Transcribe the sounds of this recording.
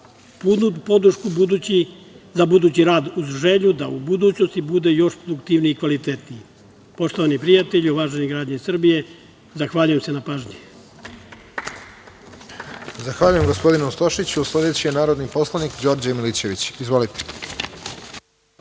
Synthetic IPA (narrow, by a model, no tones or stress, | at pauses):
pud̪nupo̞d̪ɾʃkubud̪ui | zabud̪uːt͡ɕiɾaːd̪uzʒeʎud̪aubud̪uːt͡ɕno̞st̪ibud̪e̞jo̞ʃpɾod̪ukt̪iʋniikʋalit̪et̪nii | po̞ʃt̪o̞ʋanipɾijat̪eʎioʋaːʒeniɡɾaːd͡ʑɲesr̩bije̞ | zaxʋaːʎuje̞mse̞napaːʒɲi | zaxʋaːʎujemɡospo̞d̪inust̪o̞ʃit͡ɕusle̞d̪et͡ɕijenaːɾo̞d̪nipo̞slˠanikd͡ʑo̞ːɾd͡ʑamilit͡ɕe̞ʋit͡ɕizʋo̞lit̪e̥